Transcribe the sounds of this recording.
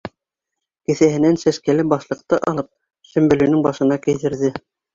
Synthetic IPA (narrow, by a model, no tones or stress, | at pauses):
kɘ̆θæhɘ̆nænsæʃkælɘbɑʃlˠɤ̆q̚t̪ɤʔɑlˠɤp̚ | ʃɵ̆mbɵ̆lɵ̆nɘŋbɑʃɤ̆nɑkɘ̆jt̪ɘ̆ɾðɘ